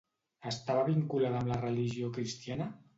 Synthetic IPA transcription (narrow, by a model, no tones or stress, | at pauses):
əst̪aβəβiŋkulaðəmlərəliʒiokɾist̪ianə